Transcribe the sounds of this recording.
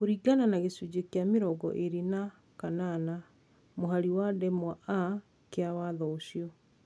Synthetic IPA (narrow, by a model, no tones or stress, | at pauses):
koɾiɡananaɣesud͡ʑekeameɾɔɡɔ̰ʔeɾina | kanana | moɦaɾiwadɛmwaʔa | keawaðɔoɕiɔ